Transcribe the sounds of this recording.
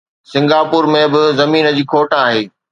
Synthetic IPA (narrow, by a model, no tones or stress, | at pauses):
sɪ̃ŋɡaːpʊːɾmẽbɪzɐmiːnə̆d͡ʑiːkʰoːʈaaːɦeː